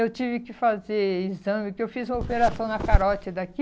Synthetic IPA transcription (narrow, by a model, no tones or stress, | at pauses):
ewt͡ʃivɪkɪfazeɾizɐ̃mɪpʊkewfizũmɐopeɾasɐ̃w̃nɐkaɾɔt͡ʃɪd̪aki